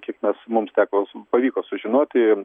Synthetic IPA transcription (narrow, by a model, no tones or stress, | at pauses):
kʲiɛkmʲɛsmʊmst̪ʲæːkoːpɐʋʲiːkoːsʊʒʲɪnoːt̪ʲɪ